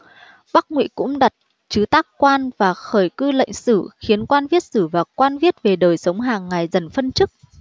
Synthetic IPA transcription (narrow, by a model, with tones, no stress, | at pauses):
ɓa˦˥k̚ŋwḭ˧˥kʊ̰˧˥ŋ͡mɗa˨˩t̚ | t͡ɕɨ˨˦t̪aː˦˥kkwaː˧nvaː˨˩xəː˧˩jkɨ˧lə̰˧˨jŋ̟sɨ̰˧˩xi˨˦ənkwaː˧nvi˦˥ət̚sɨ˧˩vaː˨˩kwaː˧nvi˦˥ət̚ve˨˩ɗəː˨˩jsə˨˦wŋ͡mɦaː˨˩ŋːa˨˩jzə˨˩nfə˧nt͡ɕɨ˦˥k̚